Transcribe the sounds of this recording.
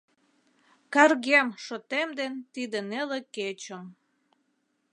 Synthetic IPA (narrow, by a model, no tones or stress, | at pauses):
kɑrɣemʃot̪emd̪ent̪id̪əneleket͡ɕəm